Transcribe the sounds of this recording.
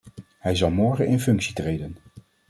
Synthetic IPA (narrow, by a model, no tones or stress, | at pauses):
hɛjzɑlˠmɔɹχənɪnfɵŋksitrejdən